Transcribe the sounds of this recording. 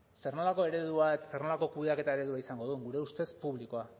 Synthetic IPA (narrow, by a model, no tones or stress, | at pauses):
sernolako̞e̞ɾe̞ðuaet̪asernolako̞kuβeake̞t̪aeɾe̞ðuaisaŋɡo̞ð̞uŋɡuɾe̞ust̪e̞spuβliko̞a